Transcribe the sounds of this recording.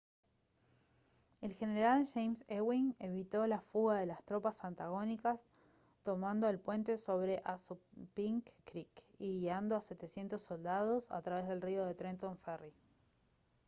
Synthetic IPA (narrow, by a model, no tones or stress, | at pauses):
e̞lxe̞neeɾalʃejmsewiŋe̞βit̪o̞lafuɣaðe̞last̪ɾo̞pasant̪aɣo̞nikas | t̪o̞mand̪o̞elpwe̞nt̪e̞so̞βɾeʔasupiŋkːɾikiɣand̪oase̞t̪esje̞nt̪oso̞ld̪aðosa̰t̪ɾaβe̞zðe̞lrio̞ðe̞t̪ɾent̪oɱfɛri